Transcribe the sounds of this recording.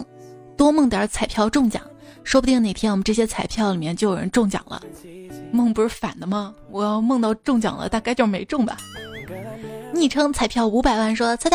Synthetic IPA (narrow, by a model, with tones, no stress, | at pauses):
ŋ | t̪wɔ˥mɤ˥˩ŋt̪jə˞˨˩˥t͡sʰa˨˩ɪpʰjɑ˥˧ʊʈ͡ʂʊ˥˩ŋt͡ɕjɑ̰˨˩˦ŋʂwɔ˥pu˧t̪i˥˩ŋne˨˩ɪt̪ʰɛ˥nwɔ˨˩m˦ʈ͡ʂɤ˥˩ɕ̬jɛ˥t͡sʰa˨˩ɪpʰjɑ˥˩ʊli˨˩mjɛ˥˧nt͡ɕo˥˩jo˨˩ɻə̰˧˥nʈ͡ʂʊ˥˩ŋt͡ɕjɑ̰˨˩ŋlə̰˦mɤ˥˩ŋpu˧˩ʂɻ̩˥˩fa˨˩nd̪ə˦mɐ˧wɔ˨˩jɑ˥˧ʊmɤ˥˧ŋt̪ɑ˥˧ʊʈ͡ʂʊ˥˩ŋt͡ɕjɑ̰˨˩ŋlə̰˦t̪a˥˩ka˥ɪt͡ɕjo˥˧ʂme˧˥ɪʈ͡ʂʊ˥˩ŋbɐ̰˨˩ | ni˨˩ʈ͡ʂʰɤ˥ŋt͡sʰa˨˩ɪpʰjɑ˥˩ʊu˧˥pa˨˩ɪwa˥˩nʂwɔ˥˧t͡sʰ